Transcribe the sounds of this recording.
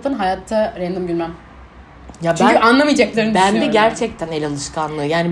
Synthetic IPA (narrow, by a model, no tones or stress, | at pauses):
t̪ɯnɦajat̪ʰːaɾɛnd̪ɯmɟylʲmæn | jabʰt͡ʃæanlˠamijd͡ʒɛclʲeɾinbænd̪ɛɟæɾt͡ʃʰɛc̚t̪ʰænelʲalˠɯʃkʰanlˠɯːjaːni